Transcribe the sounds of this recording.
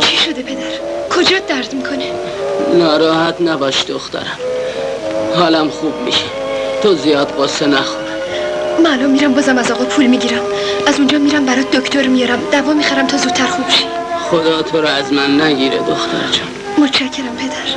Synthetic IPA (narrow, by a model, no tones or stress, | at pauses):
t͡ʃʰiʃo̞d̪epʰe̞d̪æɾkʰo̞d͡ʒɒːd̪æɾd̪mikʰo̞ne | nɒːɾɒːhæt̪ʰnæbɒːʃd̪oxt̪æ̰ɾæm | hɒːlæmxuːb̚mḭʃæ̥ | t̪ʰozijɒːd̪ɢosenæxonɛ | mæːlɔmːiːɾæmbɒːzæmæzɒːɣɒːpʰuːlmiːɟiːɾæm | æzund͡ʒɒːmiːɾæmbæɾɒːd̪okʰt̪oɾmijɒːɾæmd̪̥ævɒːmixæɾæmt̪ʰɒːzuːt̪ʰːæɾxubʃi̥ | xod̪ɒːt̪ʰoɾɒæzmænːæɡiːɾḛd̪oxt̪ʰæ̰ɾd͡ʒɒn | mot̪ʰt͡ʃʰæcʰːe̞ɾæmpʰe̞d̪æɾ